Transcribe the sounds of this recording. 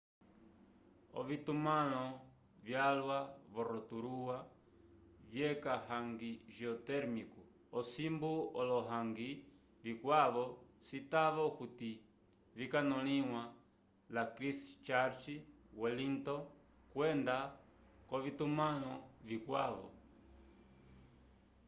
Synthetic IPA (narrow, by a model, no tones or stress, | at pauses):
ɔ̰vitumalɔ | vjalwaβɔɾɔtuɾuwa | vjɛkahaŋɡiʒiɔtɛɾmiku | ɔsimbuɔlɔɦaŋɡi | vikwaβɔsitaβɔkuti | vikanɔliwa | lakɾist͡ʃaɾt͡ʃiwɔlintɔ | kwɛnda | kɔβitumalɔvikwaβɔ̰